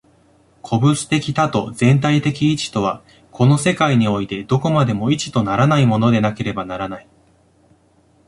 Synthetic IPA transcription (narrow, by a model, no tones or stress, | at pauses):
kʰo̞bɯ̟sɨ̥t̪e̞kʲi̥t̪at̪o̞zẽ̞nt̪ait̪e̞kʲiːt͡ɕi̥t̪o̞βa | kʰo̞no̞se̞kaiɲ̟io̞it̪e̞d̪o̞ko̞mad̪e̞mo̞it͡ɕi̥t̪o̞naɾanaimo̞no̞d̪e̞nake̞ɾe̞banaɾanai